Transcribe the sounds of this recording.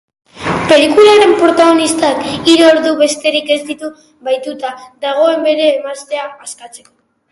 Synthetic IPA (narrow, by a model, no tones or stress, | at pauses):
pe̞likulaɾe̞mpɾo̞t̪aɣ̞o̞nist̪akiɾoːɾðuβe̞st̪e̞ɾike̞zd̪it̪u | βajt̪ut̪ad̪aɣ̞o̞e̞mbe̞ɾe̞ːmast̪e̞aaskat͡se̞̥ko̞̥